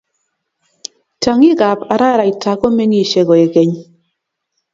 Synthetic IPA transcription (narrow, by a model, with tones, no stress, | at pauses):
ta˨ŋi˦ɡa˨pa˨ɾa˦ɾa˨i˨tʰa˨ko˦me˦ŋi˦˨ʃe˨ɡɔ˨e˨ke˨˦ɲ